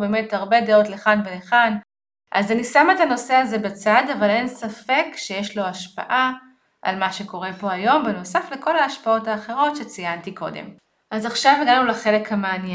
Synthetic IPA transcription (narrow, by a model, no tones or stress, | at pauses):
be̞ːme̞thaʁbe̞deo̞tleχanveleχan | ʔa̰zanisametano̞se̞azebet͡sadavale̞nsafe̞kʃejeʃlo̞aʃpa̰ʔa | ʔa̰lmaʃe̞ko̞ʁe̞po̞ajo̞mbeno̞safle̞ko̞laːʃpao̞taːχe̞ʁo̞tʃet͡sijantiko̞̰dḛm | ʔazaχʃaveɡanulaχe̞le̞khameanje